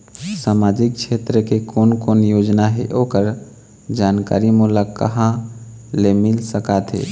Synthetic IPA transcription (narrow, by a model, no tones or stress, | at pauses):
samad͡ʒik̚t͡ʃʰet̪ɾəkekonkonjod͡ʒnaɦḛʔokəɾ | d͡ʒanka̰ɾimulakːə̰ɦã | lemilsəkat̪ɦḛ